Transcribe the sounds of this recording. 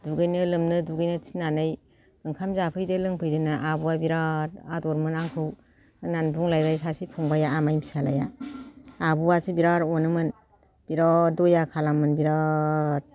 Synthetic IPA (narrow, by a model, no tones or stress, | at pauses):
duɡɯjnɯlɯmnɯduɡɯjnɯtʰi̥nanɯj | bɯŋkʰamzapʰɯjdelɯŋpʰɯjdɯnɯʔabuwabiɾaɾadɔɾmɯnaŋkʰɯw | ɯnanbuŋlajbajsasipʰɔŋbajaːmajmisala̰ja | abuwasibiɾaɾɔnɯmɯn | b̥iɾadɔjakʰalamɯnbiɾaɾ̚